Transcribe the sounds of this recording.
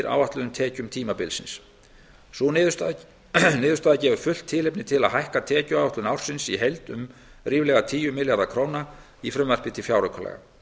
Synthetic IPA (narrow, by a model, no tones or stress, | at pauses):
ɾʔa̰ːwvaht̪lʏðʏmt̪ʰɛːcʏmt̪ʰiːmapɪlsɪns | sɔ | nɪːðʏ̥st̪aːðacɛːvʏɾ̥fʏl̥t̪ʰːɪlejpnɪt̪ʰɪlaðɦajhkat̪ʰɛːcʏawaht̪lʏnawr̥sɪnsiɦejlt̪ʏ̰mriːvlɛɣat̪ʰiːjʏmɪljaɾðakʰɾoːwna | ifɾʏmvɛr̥pɪt̪ʰɪlfjawɾʏkʰɔlɛ̰ɣa̰